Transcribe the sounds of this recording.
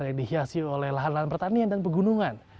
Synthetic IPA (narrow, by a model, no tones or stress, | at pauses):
rjaŋdihiasiolɛhlaɦanlaɦanpərt̪aniandanpəɡunuŋan